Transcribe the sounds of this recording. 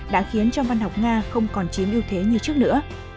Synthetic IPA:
ɗa̰ː˧˥xi˨˦ənt͡ɕɔ˧ŋ͡mva˧nɦa˨˩wk͡p̚ŋaː˧xə˧wŋ͡mkɔ˨˩nt͡ɕi˨˦əmʔi˧wt̪ʰe˨˦ɲɨ˧t͡ɕɨ˦˥ək̚nɨ̰˧˥ə

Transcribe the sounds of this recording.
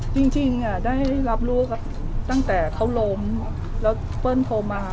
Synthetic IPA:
t͡ɕi˧ŋt͡ɕi˧˩ŋaː˨˩ɗaː˧˥˩jla˨˧˩p̚lu˧˩ək̚ | t̪a˧˩ŋt̪ɛː˧˩t̪ʰa˧˦wlo˧m | lɛː˨˧˩ | pəː˧˥˨nt̪ʰoː˧˩maː˧

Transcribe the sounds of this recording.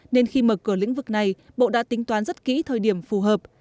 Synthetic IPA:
ne˧nxi˧məː˨˩kɨ˧˩əlḭ˧˥ŋ̟vɨ˨˩k̚na˨˩j | ɓo̰˧˨ɗa̰ː˧˥t̪ï˨˦ŋ̟t̪waː˨˦nzə˦˥t̚kḭ˧˥t̪ʰəː˨˩jɗi˧˩əmfu˨˩ɦəː˨˩p̚

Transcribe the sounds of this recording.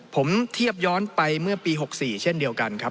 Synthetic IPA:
pʰo˩˦mt̪ʰi˥˩əp̚jɔː˦˥npa˧jmɯ˥˩ɐpiː˧ɦo˨˩k̚siː˨˩t͡ɕʰe˥˩ndi˧əwka˧nkʰa˦˥p̚

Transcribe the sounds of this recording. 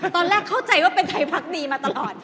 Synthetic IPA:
t̪ɔː˧nɾɛː˥˩kʰːa˥˩wt͡ɕa˧jwaː˥˩pe˧nt̪ʰa˧jpʰa˦˥k̚niː˧maː˧t̪a˧lɔː˨˩t̪̚

